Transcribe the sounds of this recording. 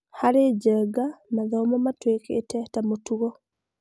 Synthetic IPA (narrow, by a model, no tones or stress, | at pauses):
haɾed͡ʒɛɡanaðɔmamatwekḛtɛtamotuɣɔ